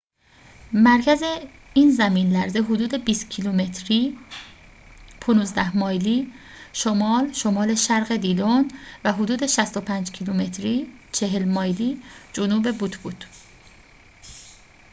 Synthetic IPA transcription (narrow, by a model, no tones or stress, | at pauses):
mæɾcʰæze | iːnzæmiːnlæɾzeɦod̪uːd̪ebiːst̪cʰilumet̪ʰɾiː | pʰonuːzd̪æhmɒːjliː | ʃomɒːlʃomɒːle̞ʃæɾɣe̞d̪iːlonvæɦod̪uːd̪eʃæst̪o̞pʰæːnd͡ʒcʰilume̞t̪ʰɾiːt͡ʃʰe̞ɦelmɒːjliːd͡ʒonuːbe̞but̪ʰbuːd̪̥